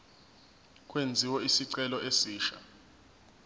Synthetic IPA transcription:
kʼwend͡zʱiwɔisiǀɛlɔʔesiːʃa̰

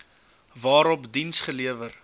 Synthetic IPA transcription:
vɑːɾɔpdinsχəliəvər

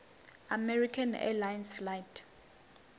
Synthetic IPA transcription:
amɛrikʰanɛ̰lajnsflajtʰ

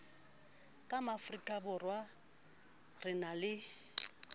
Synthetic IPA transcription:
kʼamafrikʼabʊrwa | rɪnalɪ

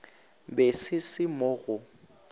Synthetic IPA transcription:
bɛsɪsɪmɔɣʊ

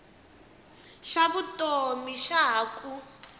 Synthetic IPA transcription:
ʃaβutʼomiʃakʼu

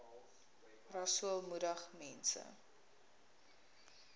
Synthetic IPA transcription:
rɐsuəlˠmudəχmɛnsə̰

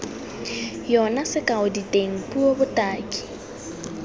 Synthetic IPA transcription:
jɔnasɪkʼaʊditʼeŋ̩pʼuobʊtʼaːkʼi̥

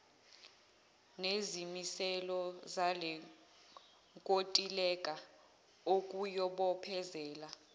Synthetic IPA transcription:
nezimisɛlɔzalɛ | ŋkʼotʼilɛkʼa | ok̬ʼujɔɓɔpʰɛzɛːla

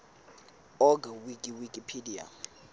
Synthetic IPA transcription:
ɔɡawikʼiwikʼipʰedia̰

